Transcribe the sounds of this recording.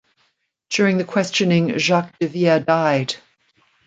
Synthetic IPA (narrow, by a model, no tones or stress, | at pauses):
d̥jɔːɹɪ̃ŋðəkʰw̥ɛst͡ʃə̃nɪ̃ŋʒak̚d̥ɪviɛdaɪd̥